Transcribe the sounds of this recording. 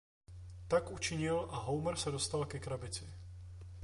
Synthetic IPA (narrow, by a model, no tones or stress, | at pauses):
t̪akʔut͡ʃɪɲilʔaɦowmɛɾsɛdost̪alkɛkɾabɪt͡sɪ